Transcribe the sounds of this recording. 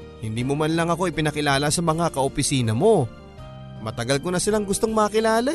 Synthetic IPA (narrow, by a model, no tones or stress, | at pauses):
hɪnd̪iːmomanlɐŋɐko̞ʔɪpɪnɐkɪlaːlasɐmɐŋakɐʔopɪsiːnɐmo̞ | mɐt̪ɐɡalkonɐsɪlaŋɡʊst̪o̞ŋmɐɐkɪlaːla